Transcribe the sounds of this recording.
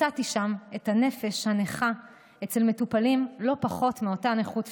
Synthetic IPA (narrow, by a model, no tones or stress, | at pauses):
atiʃame̞tane̞fe̞ʃhaneχa | et͡se̞lme̞tupalimlo̞paχo̞tmeo̞taneχut